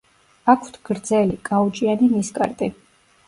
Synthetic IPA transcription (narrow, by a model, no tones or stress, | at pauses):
akʰwt̪ʰɡ̥ɾd̪zɛlikʼaut͡ʃʼianiniskʼa̰ɾt̪ʼi